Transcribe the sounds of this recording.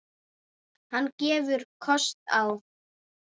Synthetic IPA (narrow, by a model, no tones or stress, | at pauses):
hanːcɛːvʏɾ̥kʰɔst̪aw